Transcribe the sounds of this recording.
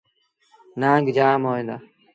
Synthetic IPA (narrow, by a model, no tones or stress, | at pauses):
nãːŋɡd͡ʒaːmoːẽd̪aː